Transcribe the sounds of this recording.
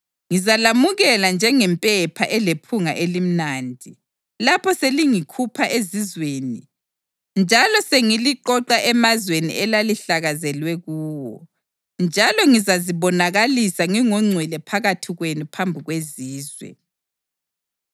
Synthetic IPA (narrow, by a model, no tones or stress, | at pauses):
ŋizalamuɣɛland͡ʒʱɛŋɛmpʼɛpʰa̰ʔɛlepʰuŋaʔelim̩naːndʱi | lapʰɔseliŋikʰupʰaʔezizweːni | nd͡ʒʱalɔseŋiliǃɔǃaʔɛmazwenḭɛlaliɬaɣazɛlwɛɣuːwɔ | nd͡ʒʱalɔŋizaziβɔnaɣalisaŋiŋɔŋ͡ǀʱwɛlɛpʰaɣatʰiɣwenupʰambʱiɣweziːzwɛ̰